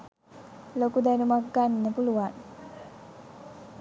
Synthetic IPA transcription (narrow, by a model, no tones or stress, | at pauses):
lokud̪ajnumakɡːanːəpuluwan